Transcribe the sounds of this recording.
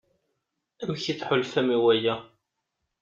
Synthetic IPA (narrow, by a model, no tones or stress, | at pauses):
æmçiθħʊlfæmiwæjæ